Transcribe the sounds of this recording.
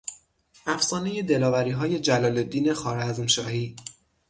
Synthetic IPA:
ʔæfsɒːne̞je̞d̪e̞lɒːvæɾiːɦɒːje̞d͡ʒælɒːlo̞d̪ːiːne̞xɒːɾæzmʃɒːhiː

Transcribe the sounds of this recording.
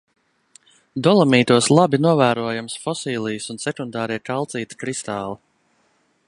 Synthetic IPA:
d̪ɔlˠɔmiːt̪uɔslˠabinuɔvæːɾuɔjamsfɔsiːlˠijsunsɛkund̪ɑːɾiɛkalˠt̪siːt̪kɾist̪aːlˠi

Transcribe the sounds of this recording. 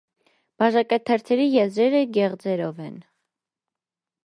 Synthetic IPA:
b̥ɑʒɑkɛt̪ʰɛɾt̪ʰɛɾijɛzɾɛɾəɡɛʁd͡zɛɾɔvɛn

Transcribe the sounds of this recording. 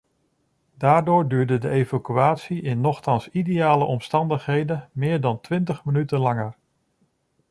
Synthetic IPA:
daːɹdʊːɹdyːɹdədəejvakyaːtsiʔɪnːɔχtɑnsidejaːləʔɔmstɑndəχɦejdəmɪːɹdɑntʋɪntəχmənytənlɑŋər

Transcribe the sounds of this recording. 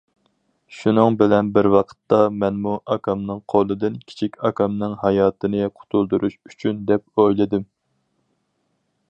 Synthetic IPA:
ʃunɨŋbɪlɛnbɪɾwɑqʰə̥t̪ːɑmɛnmuʔɑkʰɑmnɨŋqʰolˠɨd̪ɨnkʲʰi̥t͡ʃʰikʲɑkɑmnɨŋhɑjɑːt̪ɨnɨqʰʊ̥t̪ʰulˠd̪uɾʔuʃyt͡ʃʰynd̪ɛp̚ojlˠɨd̪ɨm

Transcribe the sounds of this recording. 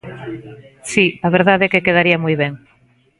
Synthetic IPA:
siaβeɾðaðɛkekeð̞aɾiɐmujβɛŋ

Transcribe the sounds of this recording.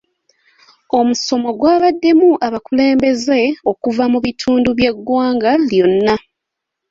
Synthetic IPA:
o̞muso̞mo̞ɡwaːβadːe̞muʔaβakule̞ːmbe̞ze̞o̞kuvamuβitʰuːnduβje̞ɡːwaːŋɡaljo̞nːa

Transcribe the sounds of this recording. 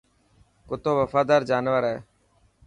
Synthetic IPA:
kʊt̪oːʋəfaːd̪aːɾd͡ʒaːnʋəɾɛː

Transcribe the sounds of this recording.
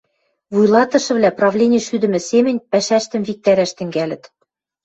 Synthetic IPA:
vujlˠɑt̪ɤ̆ʃɤ̆βlæprɑvlʲenʲĕʃyd̪ɘ̆mɘ̆semɘ̆nʲpæʃæʃt̪ɘ̆mvik̚t̪æɾæʃt̪ɘ̆ŋɡælʲɘ̆t̪

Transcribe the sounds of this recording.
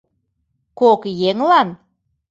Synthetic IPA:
kokjeŋlɑn

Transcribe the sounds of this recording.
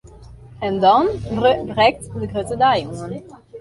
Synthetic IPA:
ɛndɑnbrɛk̚tdəɡrøtədaːjʊŋən

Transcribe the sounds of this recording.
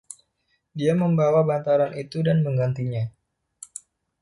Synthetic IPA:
diaməmbawabant̪aɾanʔit̪udanməŋɡant̪iɲa

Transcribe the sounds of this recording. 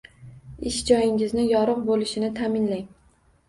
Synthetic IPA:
ɪʃd͡ʒɒjɪŋʲɪznɪjɒɾɨqbolɪʃɪnɪt̪ʰamɪnlajm

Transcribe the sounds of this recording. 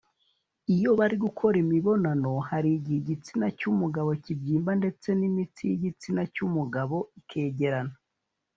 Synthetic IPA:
ijo̞βaɾiɡukʰo̞ɾimiβo̞nano̞haɾiɟihiɟit͡sinacumuɡaβo̞cibɟiːmbande̞t͡se̞nimit͡sijiɟit͡sinacumuɡaβo̞ikʰe̞ːɟeɾana

